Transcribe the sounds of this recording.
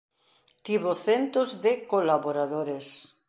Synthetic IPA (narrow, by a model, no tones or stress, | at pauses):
t̪iβoθent̪ozðekolaβoɾaðoɾes